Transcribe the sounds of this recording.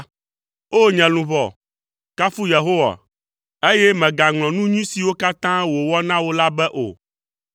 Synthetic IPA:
o˦ɲɛ̃˨lũ˨βɔ˨ | ka˦fu˦je˨ɦo˦wa̰˨ | e˦jɛ˦mɛ̃˨ɡa˨ŋlɔ̃˨nũ˦ɲũ˦si˨wo˦ka˦t̪ã˦wo˨wɔ˦nã˦wo˦la˦bɛ˦ʔo̰˨

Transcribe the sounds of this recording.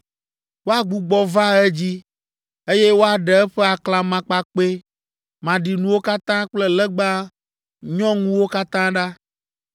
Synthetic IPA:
wo˦a˨ɡ͡bu˨ɡ͡bɔ˨va˦ɛ˦d͡ʑi˦ | e˦je˦wo˦a˨ɖɛ˨ɛ˦ɸɛ˦a˨kla˨mã˨k͡pa˨k͡pe˦ | mã˨ɖi˨nũ˨wo˦ka˦t̪ã˦k͡plɛ˦lɛ˦ɡ͡ba˦ | ɲɔ̃˦ŋũ˦wo˦ka˦t̪ã˦ɖa˦

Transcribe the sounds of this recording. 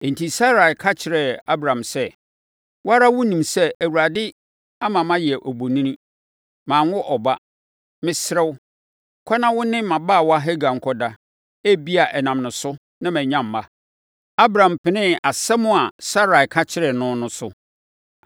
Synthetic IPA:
n̩˨tʰi˨sa˦ɾa˨kʰa˦t͡ɕʰɪ˨ɾɛ˨a˦bɾã˨msɛ˦ | wa˦ɾa˦wʊ˦nĩ˨msɛ˦æ˨wu˨ɾa˨dɪ˦ | a˦mã˨mã˦jɪ˨ɛ˨ʔɔ˨bo˨nĩ˦nĩ˦ | mãː˨ŋ˦ʊ˦ʔɔ˨ba˦ | mɪ̃˦sɾɛ˦w | kʷʰɔ˦nã˦wʊ˦nɪ̃˦mã˨baː˦˨wa˦ɦɛ˦ɡa˨ŋ̩˨kʰɔ˦da˦ | æ˦bi˦a˨ʔɛ˨nã˨mnʊ̃˨sʊ˦ | nã˦mɛ̃˨ɲã˦mː˨a˦ | a˦bɾã˨m˨pʰɪ˨nɪ̃˦a˨sɛ˦mʊ̃˦a˨sa˦ɾa˨kʰa˦t͡ɕʰɪ˦ɾɛ˨nʊ̃˦nʊ̃˦sʊ˦

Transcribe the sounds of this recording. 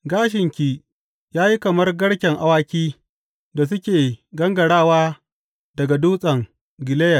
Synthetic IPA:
ɡaː˦ʃ̬ɪ˨ŋkʲi˨ | jaː˦ji˦kɐ˨mɐ˦rɡɐ˦ɽkʲɛ˨ŋʔa˨waː˦kʲiː˦ | da˨s̬ʊ˦kʲeː˨ɡɐ˦ŋɡɐ˨ɽaː˦˨waː˦ | dɐ˨ɡa˨duː˦sʼɐ˨ŋ | ɡɪ˨leː˦jɐ˨

